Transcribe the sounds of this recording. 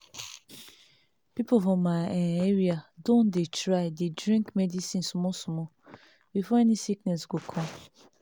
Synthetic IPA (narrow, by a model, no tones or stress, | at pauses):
pipofɔ̃maeɹiadõndetɹaɪdedɹĩŋkmɛdisĩnsmɔsmɔ | bifɔɛnisiknɛsɡokʰɔ̃m